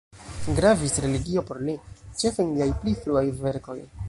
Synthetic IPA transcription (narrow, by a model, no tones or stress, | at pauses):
ɡɾavisɾe̞liɡio̞po̞ɾlit͡ʃe̞fenliajplifluajve̞ɾko̞j